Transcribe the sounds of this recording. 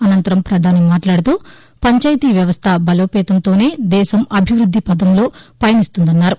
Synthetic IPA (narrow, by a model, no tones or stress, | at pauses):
ɐnɐnt̪ɐɾɐmpɾɐd̪ʱaːnimaːʈlaːɽut̪uː | pɐɲt͡ʃaːjt̪iːʋjɐʋɐst̪ʰɐbɐlo̞ːpɛːt̪ɐnt̪o̞ːne̞ːd̪ɛːʃɐmɐbʱiʋɾud̪ʱːipɐd̪ɐmlo̞ːpɐjɐnist̪und̪ɐnːaːɾu